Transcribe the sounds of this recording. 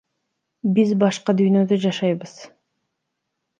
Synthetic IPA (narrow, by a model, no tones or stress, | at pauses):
bizbɑʃqɑd̪yjnø̞d̪ød͡ʒɑʃɑjbɯz̥